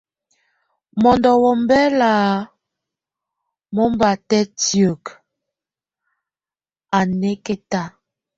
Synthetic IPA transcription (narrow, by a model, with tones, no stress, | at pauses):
mɔ˨ndɔ˨wɔ˨m˦bɛ˦la˨ | mɔ˦m˦ba˨tɛ˦tjo˨k | a˨nɛ˦ke˦ta˦˨